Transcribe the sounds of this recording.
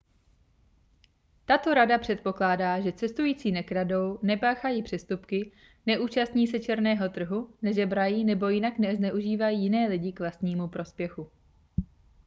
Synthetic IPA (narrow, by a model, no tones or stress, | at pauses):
t̪at̪o̞ɾadapr̝̥ɛt̪̚po̞klaːdaːʒɛt͡sɛst̪ujiːt͡siːnɛkɾado̞wnɛpaːxajipr̝̥ɛst̪upkɪ | nɛʔuːt͡ʃast̪ɲiːsɛt͡ʃɛɾnɛːɦo̞t̪r̩ɦunɛʒɛbɾajiːnɛbo̞jɪnaknɛznɛʔuʒiːvajiːjɪnɛːlɪɟɪkvlast̪ɲiːmupɾo̞spjɛxu